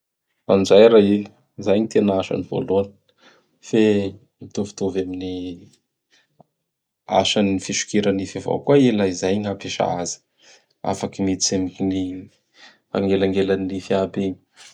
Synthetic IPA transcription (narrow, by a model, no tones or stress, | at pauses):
fand͡ʒajɾai | zajɲit̪enaaʃa̰nivo̰luanə̥ | fe | mit̪ovi̥t̪ovamini | a̰ʃanifiʃu̥keɾanifavo̰kuaelajizajɲapeʃa̰azi̥ | a̰fakimit͡semiini | a̰ŋɡelaŋɡelaniifiabeɲi̥